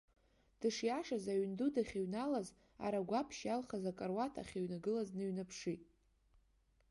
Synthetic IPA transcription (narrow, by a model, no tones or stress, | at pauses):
d̥ɨʂjaʂazaɥndudaχʲiɥnalaz | a̰ɾaɡʷapʰʃjalχazakʼarwatʰa̰χʲeɥnaɡɨlaznɨɥnapʰʂitʼ